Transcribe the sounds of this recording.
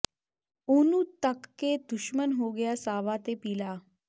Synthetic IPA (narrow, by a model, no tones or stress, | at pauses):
onuːt̪əkːed̪uɕmənɦoɡjasaʋat̪epila